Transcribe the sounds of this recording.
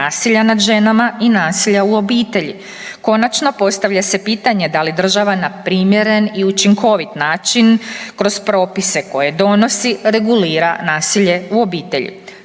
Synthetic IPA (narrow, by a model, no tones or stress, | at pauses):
aːsiʎanad̪ʒe̞namainaːsiʎauo̞biːt̪e̞ʎḭ | ko̞nat͡ʃno̞po̞st̪aʋʎase̞piːt̪aɲe̞d̪alid̪r̩ʒaʋanapɾiːmje̞ɾe̞niut͡ʃiŋkʰo̞ʋit̪naːt͡ʃinkɾo̞z̥pɾo̞ːpise̞ko̞je̞d̪o̞no̞siɾe̞ɡuliːɾanaːsiʎe̞uo̞biːt̪e̞̰ʎḭ